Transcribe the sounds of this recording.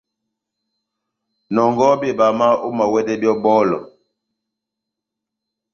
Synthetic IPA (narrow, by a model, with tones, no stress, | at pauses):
nɔ˨ŋɡɔ˦be˦˨ba˨ma˦o˦ma˨wɛ˦dɛ˦bjɔ˦bɔ˦lɔ̰˨